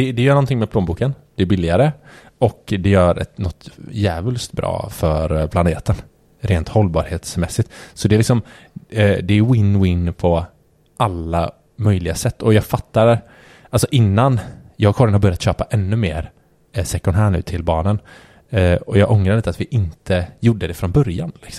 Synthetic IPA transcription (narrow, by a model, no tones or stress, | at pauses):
d̪ɛd̪ɛjœːɳɔnt̪ʰɪŋmɛpʰloːmbuːkənd̪̥ɛæbɪlːɪɡaɾə | ɔkd̪ɛjœːɾɛ̰t̪nɔt̪jæːvəlst̪bɾɑ̰ːfœɾpʰlaneːt̪ən | ɾeːnt̪hɔlːbɑːɾheːt̪smɛsːɪt̪sɔd̪ɛːlɪksɔm | d̪ɛæjwɪnːwɪnːpʰɔ | ʔalːa | mœjlɪɡasɛt̪ːɔjɑːɡfat̪ːaɾ | ʔalsɔʔɪnːanjɑːɡkʰɔɾjənhaɾbœɾjat̪ɕøːpaʔɛnːɵmḛːɾ | sɛkːɔnɦæːɳʉ̟ːt̪ʰɪlbɑːnən | ɔjɑːɡʔɔŋɾaɾliːt̪at̪vɪʔɪnt̪ʰəjʊɖːəd̪ɛfɾɔnbœɾja̰nlɪksɔm